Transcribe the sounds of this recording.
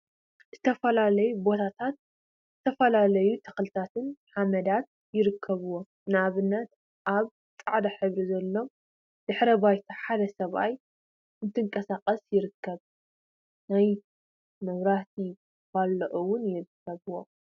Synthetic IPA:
z̥ɨt̪ʰɐfɐlalɐjubo̞t̪ʰat̪ʰat̪̚ | zɨt̪ʰɐfɐlalɐjut̪ʰɐ̥xlɨt̪ʰat̪ʰɨnħamɐd̪at̪̚ | jɪɾɨkʰːɐβɨwo | nɨaβɨnːɐt̪ | ʔaβ | t͡s̪ʼaʕd̪ɐħɨβɾizɐlːo̞ | d̪̥ɨħɾɐbajt̪ʰɐħad̪ɐsɐβa̰j | ɨnt̪ʰɨŋkʼɐsaqʼɐsjɪɾɨkːɐβ | naj | mɐβɾaht̪ʰi | balːɐʔuwʊnjɪɾɨkʰːɐβɨwo

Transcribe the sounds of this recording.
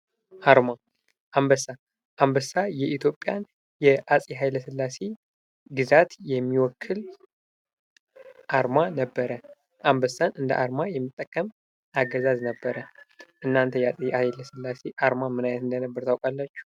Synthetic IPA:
ʔaɾma | ʔambəsa | ʔambəsajɛʔit̪ʰjo̞pʼːjan | jɛʔasʼiɦajləsɨlːase̞ | ɡɨzat̪jɛmːiwɔkʰːɨl | ʔaɾmanəbːəɾə | ʔambəsanʔɨnd̪ə̰ʔaɾmajɛmːɨt̪ʼːəkʼːəm | ʔaɡəzaznəbːəɾəʔɨnːant̪ʰəjɛasʼiajləsɨlːase̞ʔaɾmamɨnajnət̪ɨnd̪ənəbːəɾt̪ʰawkʼalːat͡ʃːu̥

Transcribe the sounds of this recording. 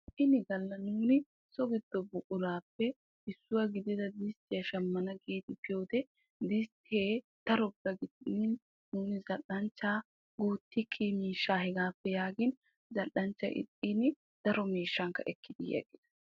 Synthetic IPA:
ʔɪnɪɡɐlːɐnuːnɪ | sɔɡɪd̪ːɔbʊkʼʊlaːpːɛ | ɪsːʊwɐɡɪd̪ɪd̪ɐd̪ɪst̪ɪjɐʃɐmːɐnɐɡeːt̪ɪpɪjoːt̪ɛ | d̪ɪst̪ɪeː | t̪ɐɾɔbːɐɡɪd̪nɪn | nuːnɪzɐʔːɐnt͡ʃːaː | ɡ̥uːt̪ːɪkʰːimiːʃːaːhɛɡaːpːɛjaːɡɪn | zɐʔɐnt͡ʃːɐ̰ʔɪ̰t̪ʼːinɪ | d̪̥ɐɾɔmiːʃːɐŋkɐ̰ʔɛ̰kːɪd̪ɪ̰jɛ̰ɡɪd̪̥ɐ̥

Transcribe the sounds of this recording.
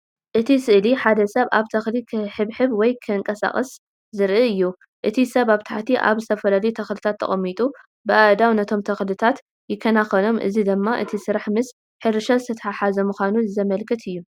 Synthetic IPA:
ʔɨt̪ʰisɨʔliħad̪ɐsɐβaβt̪ʰɐxlikʰħɨβħɨβwɔjkʰɨɨŋkʼɐsa̰χʼɐs | zɨɾɨɨjːu | ʔɨt̪ʰisɐβaβt̪ʰaħt̪ʰiʔa̰βzɨt̪ʰɐfɐlalɐjut̪ʰɐxlɨt̪ʰat̪ʰːɐ̰χʼɐmːit̪ʼu | bɨʔad̪awnɐt̪ʰo̞mt̪ʰɐxlɨt̪ʰat̪ | jɪkʰːɐnaxɐlo̞mʔɨ̰zid̪ɨmːaʔɨt̪ʰisɨɾaħmɨs | ħɨɾɨʃazɨt̪ʰɐt̪ʰɐħaħazɐmɨxʷanuzɨzɐmɐlkʰɐt̪ʰɨjːu

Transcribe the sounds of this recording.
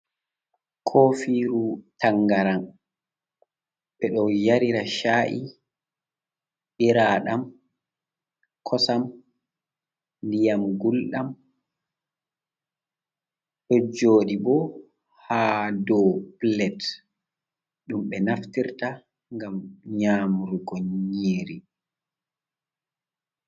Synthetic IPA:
kʰofiɾutaŋɡaɾan | ɓɛɗɔjaɾiɾaʃaʔḭ | ɓiɾaːɗam | kʰɔsam | ndijamɡulɗam | ɗɔd͡ʒoːɗibɔ | haːdɔplɛt | ɗumɓɛnaftiɾta | ŋɡamɲaːmɾuɡoɲːiːɾi

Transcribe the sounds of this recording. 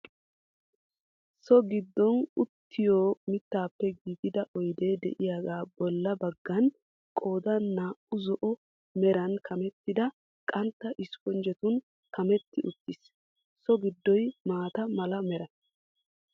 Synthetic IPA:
sɔɡɪd̪ːɔnʊt̪ːɪjoːmɪt̪ːaːpːɛɡiːt̪ɪd̪ɐʔɔjd̪eːd̪ɛ̰ʔɪjaɡaːbɔlːɐbɐɡːɐn | kʼo̞ːd̪ɐnnːaːʊzɔʔɔ | mɛɾɐnkʰɐmɛt̪ːɪd̪ɐ | kʼɐnt̪ːɐʔɪskɔnd͡ʒɛt̪ʊn | kʰɐmɛt̪ːɪʔʊt̪ːɪs | sɔɡɪd̪ːɔjmaːt̪ɐmɐlɐmɛɾɐ

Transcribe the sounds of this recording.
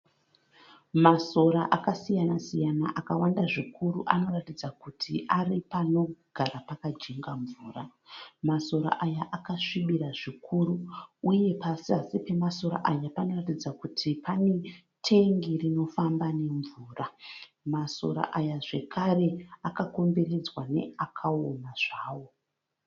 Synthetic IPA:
maso̞ɾaʔakasijanasijana̰ʔakawandaʐikʰuɾuʔano̞ratid͡zakutʰiʔaripano̞ɡ̥ʱarapakad͡ʒeŋɡaɱvuːramaso̞ɾa̰ʔajaʔakaʂiɓiɾaʐikʰuɾuuje̞pasiasipe̞maso̞ɾa̰ʔajapano̞ratid͡zakutʰipane | tʰe̞ŋɡirino̞fambane̞ɱvuːra | maso̞̰ɾa̰ʔajaʐe̞kʰare̞akako̞mbe̞ɾe̞d͡zwane̞̰akʰaonaʐaːwo̞

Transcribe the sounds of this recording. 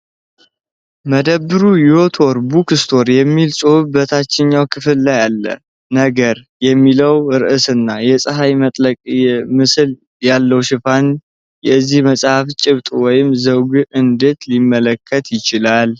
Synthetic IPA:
məd̪əbːɨɾujɪwo̞t̪ʰoɾbukɨst̪ʰo̞ɾjɛmːilsʼohɨbət̪ʰat͡ʃːɪɲːawkʰɨfɨlːajalːə̰ | nəɡəɾ | jɛmːiləwɨɾɨʔɨsɨnːajɛsʼəɦajmət̪ʼləkʼmɨsɨl | jalːəwʃɪfan | jɛzːihməsʼhaft͡ʃʼɪβt̪ʼwɔjɪmzəwɡʔɨnd̪e̞t̪limːələkʰːət̪jɪt͡ʃɪlal

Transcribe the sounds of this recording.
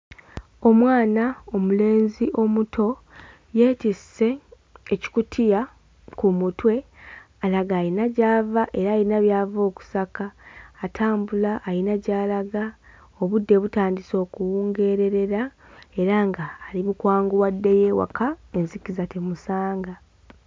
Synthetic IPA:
o̞mwaːnao̞mule̞ːnziʔo̞mutʰo̞ | je̞ːtise̞ː | ci̥kutʰija | kumutwe̞ | alaɡaːjinaɟaːvaʔe̞ɾaːjinaβjaːvo̞ːku̥sakaːtʰaːmbulaʔːjinaɟaːlaɡa | o̞βudːe̞βutaːndiso̞ːkuwuːŋɡe̞ɾe̞ɾe̞ɾa | e̞ɾaŋɡaːlimukwaːŋɡuwadːe̞je̞ːwa̰kʰae̞nzikizatemusaːŋɡa

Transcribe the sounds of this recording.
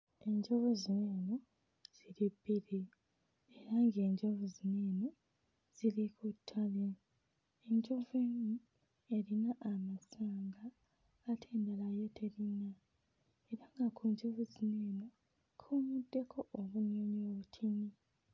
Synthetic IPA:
e̞ɲɟoβuzineːno | z̥ilibiɾi | eɾaŋɡe̞ːɲɟovuzineːno | z̥ilikʰutʰːale | eɲɟoveɲu | e̞ɾinaʔamasaːŋɡaː | tʰeːndelajetʰeɾina | eɾaŋɡakʰuɲd͡ʒovuzineːno | kʰumudːe̞kʰoʔoβuɲoɲoβutʰini

